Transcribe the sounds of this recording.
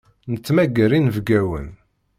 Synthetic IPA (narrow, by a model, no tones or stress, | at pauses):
nət͡sːmæɡːəɾinvɡæwə̰n